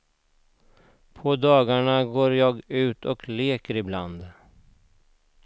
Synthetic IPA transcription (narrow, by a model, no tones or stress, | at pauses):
pʰɔd̪ɑːɡaɳaɡoːɾjɑːɡʉ̟ːt̪ʰɔkleːkəɾɪbland̪